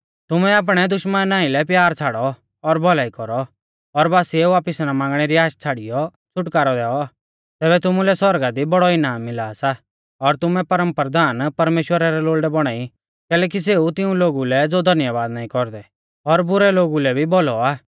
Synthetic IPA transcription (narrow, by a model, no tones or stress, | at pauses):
t̪ʊmɛaːp̬ɽ̃ɛd̪ʊʃmənnːãːilɛpjaːɾt͡sʰaːɽɔ | ɔɾbʱɔlaːikɔɾɔ | ɔɾbaːsieuʋaːpɪsnamãːŋɡɽ̃ɛɾiaːʃt͡sʰaːɽijɔ | t͡ʃʰʊʈkaːɾɔd̪ɛːɔaː | t̪ɛːbɛt̪ʊmulɛsɔɾɡad̪ibɔɽɔɪnaːmːɪlaːsa | ɔɾt̪ʊmɛpɐɾə̃mpɾəd̪aːnpɐɾmeːʃwəɾaɾɛloːlɖɛbɔɽ̃aːi | kɛːlɛːk̬is̬eut̪ɪũloːɡulɛd͡zoːd̪ʱɐnjaʋaːd̪naːĩkɔɾd̪ɛ | ɔɾbʊɾɛloːɡulɛbʱibɔlɔaː